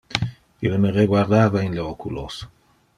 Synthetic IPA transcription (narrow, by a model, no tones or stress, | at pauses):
ilmereɡwaɾd̪aːvaenleokulos